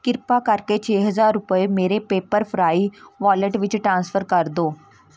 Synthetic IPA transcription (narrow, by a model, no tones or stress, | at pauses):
kɪɾpaːkəɾkeːt͡ʃʰeːɦəzaːɾːʊpəemeːɾeːpeːpəɾpʰɾaːiːʋaːləʈʋɪt͡ʃʈɾãːnspʰəɾkəɾd̪oː